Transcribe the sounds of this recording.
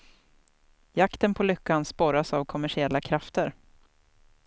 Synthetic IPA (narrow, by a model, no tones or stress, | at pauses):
jakt̪ənpʰɔlʏkːanspɔɾasavkʰɔmæʂɪɛlːakʰɾaft̪əɾ